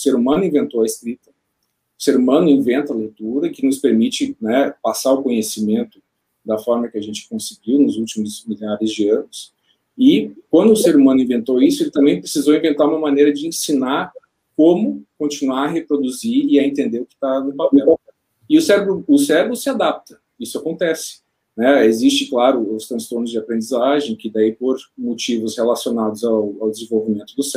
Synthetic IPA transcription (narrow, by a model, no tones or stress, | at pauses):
ʊseɾumɐ̃nʊĩvẽnt̪owɐeskɾit̪ɐ | ʊseɾumɐ̃nʊĩvẽnt̪ɐlejt̪uɾɐkɪnʊspeɾmit͡ʃɪnɛpasaɾʊkõɲesimẽnt̪ʊ̥ | d̪ɐfɔɾmɐkɪɐʒẽnt͡ʃɪ̥kõsɪɡiwnʊzuwt͡ʃimʊzmilaɾɪzd͡ʒɪɐ̃nʊs | ɪkwɐ̃nd̪ʊːseɾumɐ̃nʊĩvẽnt̪owisʊelɪt̪ɐ̃mbẽj̃pɾesizowĩvẽnt̪aɾũmɐmɐ̃nejɾɐd͡ʒɪẽsinaɾ | kõmʊkõnt͡ʃinuaɾɐɦepɾod̪uziɾɪɐẽnt̪ẽnd̪eɾʊkɪ̥t̪anʊpapɛ | ɪʊsɛɾebɾʊʊsɛɾebɾʊsɪad̪ap̚t̪ɐ̥ | isʊakõnt̪ɛsɪ̥ | nɛezist͡ʃɪklaɾʊʊst̪ɾɐ̃st̪oɾnʊzd͡ʒɪapɾẽnd͡ʒizaʒẽj̃kɪd̪aipoɾmot͡ʃivʊshelasionad̪ʊzawawd̪ɪzẽvowvimẽnt̪ʊd̪ʊs